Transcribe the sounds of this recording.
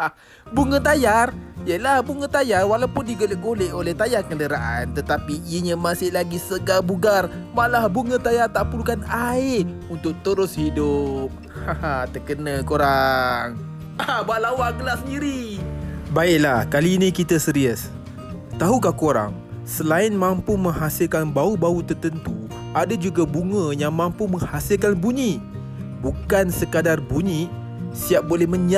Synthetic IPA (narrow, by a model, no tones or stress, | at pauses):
a | buŋə̃t̪ajarjəlahbuŋə̃t̪ajarwalawpʊndiɡolɪʔɡolɛʔolɛht̪ajarkəndəɾaʔant̪ət̪apiiəɲamasɪhlaɡisəɡalbuɡar | malahbuŋə̃t̪ajart̪aʔpulukanaɪ | unt̪ʊk̚t̪əɾʊshidʊp̚ | hahat̪əkənəkoɾaŋ | abaʔlawaʔɡəlasəndiɾi | baɪʔ̚lahkaliːnikit̪asəɾiəs | t̪aɦukakoɾa̰ŋ | səlaɪnmãmpumə̃ŋhasɪlkanbaubaut̪ərt̪ənt̪u | adad͡ʒuɡabuŋə̃jaŋmãmpuməŋhasɪlkanbuɲiʔ | bukansəkadarbuɲiʔ | siap̚bolɛhməɲa